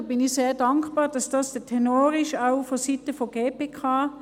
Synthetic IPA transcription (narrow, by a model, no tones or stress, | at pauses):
bɪnɪçseːɐdɑŋkpɑːʁd̥ɑsd̥ɑːsd̥ətʰɛnoːɾɪʃaʊfositəfoɡ̥eːpeːkʰɑː